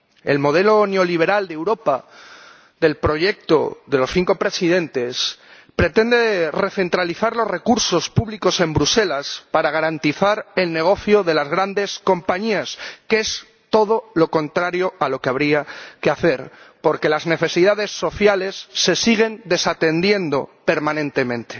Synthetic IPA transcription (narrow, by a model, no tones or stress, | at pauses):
ḛlmo̞ð̞e̞lo̞neo̞liβ̞e̞ɾald̪ewɾo̞pa | ðe̞lpɾo̞ʝe̞k̚t̪o̞̰ðe̞lo̞sθiŋko̞pɾe̞sið̞e̞nt̪e̞s | pɾe̞t̪e̞nd̪e̞re̞θe̞nt̪ɾaliθaɾlo̞zre̞kuɾso̞spuβliko̞se̞mbɾuse̞laspaɾaɣ̞aɾant̪iθaɾe̞lne̞ɣ̞o̞θjoðe̞lazɣɾand̪e̞sko̞mpaɲiaske̞s | t̪o̞ð̞o̞lo̞ko̞nt̪ɾaɾjo̞alo̞keaβ̞ɾiakeaθe̞ɾpo̞ɾke̞lazne̞θe̞siðaðe̞sːo̞θjale̞sːe̞siɣ̞e̞nd̪e̞sat̪e̞nd̪je̞nd̪o̞pe̞ɾmãnẽ̞nt̪e̞mẽ̞nt̪e̞̥